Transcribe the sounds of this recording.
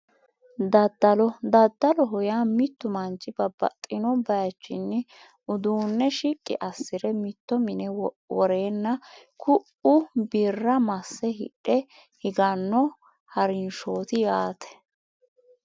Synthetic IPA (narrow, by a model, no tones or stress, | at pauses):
d̪ɐd̪ːɐlɔd̪ɐd̪ːɐlɔɦɔjaːmɪt̪ːʊmɐnt͡ʃʼːɪb̥ɐb̥ɐ̰t̪ʼːɪnɔbɐjɐt͡ʃːɪ̰nːɪ | ʔʊd̪uːnːɛʃikʼːɪ̰ʔɐsːɪɾɛmɪt̪ːɔmɪnɛ | wɔɾeːnːɐkʰʊʔʊbirːɐmɐsːɛɦɪ̰ɗːɛ | hɪɡɐnːɔ | hɐɾɪnʃoːt̪ɪjaːt̪ʰɛ̥